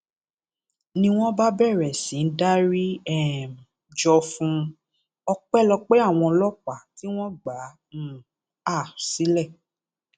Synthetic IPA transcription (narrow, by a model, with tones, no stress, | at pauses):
nĩ˧w̃ɔ̃˦ba˦bɛ˦˨ɾɛ˨sĩ˨n̩˦da˦ɾi˦ɛ˦˨m˨ | d͡ʒɔ˧fũ˦ | ɔ˧k͡pɛ˦˨lɔ˧k͡pe˦a˦˨w̃ɔ̃˧lɔ˦k͡pa˨ti˨˦w̃ɔ̃˦ɡ͡bã˨˦˨ | a˦˨si˨˦lɛ˦˨